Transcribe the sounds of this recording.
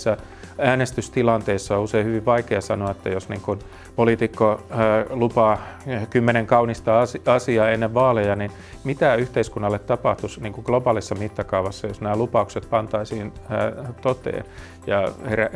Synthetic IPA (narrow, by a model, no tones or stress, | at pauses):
sːɑ | æːnest̪yst̪ilɑnt̪eisːɑouseihyʋiʋʋɑikeɑsɑ̰noɑet̪ːæjosniːŋkun | polit̪ikːolupɑːkymːeneŋkɑunist̪ɑɑsɑsiɑːenːeʋʋɑːlejɑnin | mit̪æyht̪eiskunːɑlːet̪t̪ɑpɑht̪usniːŋkuɡ̥lobɑːlisːɑmit̪ːɑkɑuʋɑsːɑjosnæːlupɑukset̪̚pɑnt̪ɑisiːnːt̪ot̪ḛːn | jɑheræ